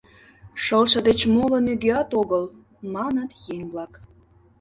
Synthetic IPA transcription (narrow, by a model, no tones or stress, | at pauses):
ʃəlʃə̆d̪et͡ɕmolə̆nyɡeɑt̪oɣəl | mɑnət̪jeŋblɑk